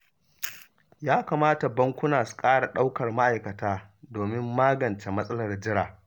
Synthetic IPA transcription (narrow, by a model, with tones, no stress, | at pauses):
jaː˦kaː˨maː˦ta˨bɐ˦ŋkʷʊ˦naː˨su̥˨kʼaː˦ɽa˨ɗa˦wkɐ˨rma˦ʔa˨jkɐ˨taː˦doː˨mɪ˦mːaː˦ɡɐ˨nt͡ʃe˨mɐ˦sʼɐ˦lɐ˨rd͡ʒɪ˦ɽaː˨